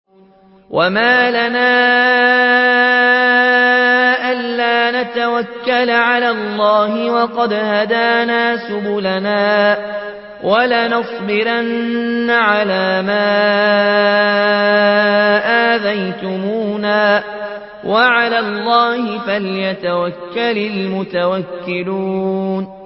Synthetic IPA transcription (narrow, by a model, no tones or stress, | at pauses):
wʔamaːlanaː | ʔalːaːnat̪awakːalʕalaːlˤːɑːhɪwɑqɑd̪had̪aːnaːsʊbʊlanaː | wʔalanɑsˤbɪɾanːaʕalaːmaː | ʔaːðajt̪ʊmuːnaː | wʔaʕalaːlˤːɑːhɪfaljat̪awakːalɪlmʊt̪awakːɪluːn